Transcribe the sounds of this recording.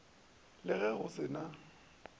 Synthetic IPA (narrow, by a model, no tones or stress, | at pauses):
lɪɣɛɣʊsɪna